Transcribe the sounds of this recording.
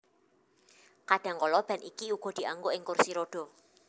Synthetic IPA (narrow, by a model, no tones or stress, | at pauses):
kaɖ̥a̤ŋkɔlɔb̥a̤nʔikiuɡ̥ɔ̤d̥i̤aŋɡoɪŋkursiɾoɖ̥ɔ̤